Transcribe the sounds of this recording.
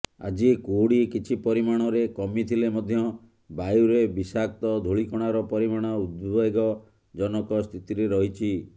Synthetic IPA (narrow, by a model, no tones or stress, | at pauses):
a̰d͡ʒikoɽikit͡ʃʰipɔɾimaɽ̃ɔɾekɔmit̪ʰilemɔd̪ʱjɔ | bajuɾebisak̚t̪ɔd̪ʱoɭikɔɽ̃aɾɔpɔɾimaɽ̃ɔud̪̚bɔjɡɔ | d͡ʒɔnɔkɔst̪ʰit̪iɾeɾɔɦit͡ʃʰi